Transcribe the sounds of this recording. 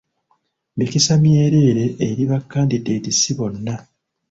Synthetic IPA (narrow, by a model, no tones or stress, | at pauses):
mikisamje̞ɾe̞ːɾe̞ʔːɾiβakːaːndidedisiβo̞nːa